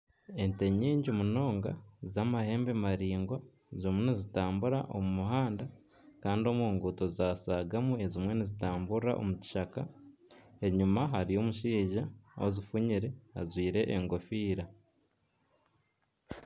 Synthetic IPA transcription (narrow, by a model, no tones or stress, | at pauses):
e̞nte̞ɲeːɲɟumuno̞ːŋɡa̰zamahe̞ːmbemaɾiːŋɡwa | zimwenizitaːmbuɾa̰ʔo̞mumuɦaːnda | kaːndio̞muːŋɡuto̞zaːsaːɡamue̞zimwe̞nizitaːmbuɾa̰ʔo̞̰muci̥ʃaka̰ | e̞ɲumaɦaɾio̞muʃiːʒaozifuɲiɾe̞ha̰zwiːɾe̞ʔːŋɡo̞fiːɾa